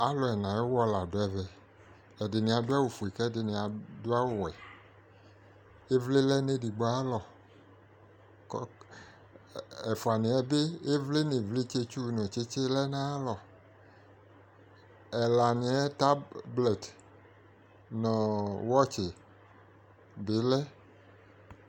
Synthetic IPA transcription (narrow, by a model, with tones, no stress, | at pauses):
a˦lɔ˨ɛ˨nã˨je˦wɔ˦la˨do˨˦ɛ˨vɛ˨ | ɛ˨dɪ˨nĩ˨a˨do˦a˦wo˨fu˨e˨kɛ˦de˨nĩ˨a˨do˦a˦wo˨wɛ˨ | e˦vle˦lɛ˦ne˦di˨ɡ͡ba˦a˦lɔ˨ | k | ɛ˨fo˨a˨nẽ˨ɛ˦be˦e˦vle˦ne˨vle˦t͡ʃe˦t͡ʃu˦˨nɔ̃˨t͡ʃe˦t͡ʃe˦lɛ˦nã˦lɔ˨ | ɛ˨la˨nĩ˨ɛ˦ta˦blɛ˨t | nɔ̃˨wɔ˦t͡ʃe˨ | be˨˦lɛ˦